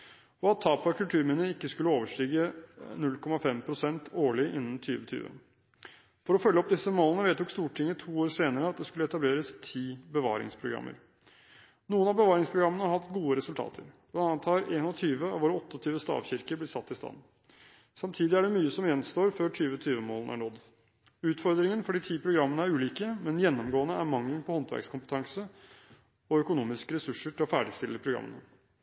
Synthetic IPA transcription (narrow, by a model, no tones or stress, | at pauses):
ɔɑt̪ʰːɑːpɑkʰʉlt̪ʰʉːɾminəɪkːəskʉlːəoːʋəʂʈiːɡənʉlkʰɔmɑfɛmpʰɾʊsɛnt̪ʰoːɭɪʔɪnːn̩t̪ʰy̰ːʋət̪ʰy̰ːʋə̰ | fɔɾɔfœlːəɔp̚d̪ɪsːəmoːlənəʋeːt̪uːkst̪uːʈʰɪŋːət̪ʰuːoːɾseːnəɾəɑt̪̚d̪ɛskʉlːəɛt̪ɑbleːɾəst̪ʰiːbəʋɑ̰ːɾɪ̰ŋspʰɾʊɡɾɑ̰mːʔə̰ɾ | nuːənɑbəʋɑːɾɪŋspʰɾʊɡɾɑmːənəhɑt̪ɡuːəɾɛsʉlt̪ʰɑ̰ːt̪ʰəɾblɑnɑnt̪ʰɑːɾeːnnɔt̪ʰyːʋəɑ̰ʋoːɾəɔt̪ːəɔt̪ʰyːʋəst̪ɑ̰ːʋçɪɾkəblɪsɑt̪ːɪst̪ɑ̰n | sɑmt̪ʰiːd̪ɪæɖɛmyːəsɔmjɛnːst̪oːɾføːʈʰyːʋət̪ʰyːʋəmoːlənæ̰ɳɔd̪ | ʉːt̪fɔɾd̪ɾɪŋənfɔɖiːt̪ʰiːpʰɾʊɡɾɑmːənəæɾʉːliːkəmɛnjɛnːɔmɡoːənəæɾmɑŋləŋpʰɔhɔnt̪ʋæ̰ɾkskʰʊmpət̪ʰɑŋsə | ɔœkʊnuːmɪskəɾɛsʉʂəʈʰɪlɔfæ̰ːɖɪst̪ɪlːəpʰɾʊɡɾɑ̰mːə̰nə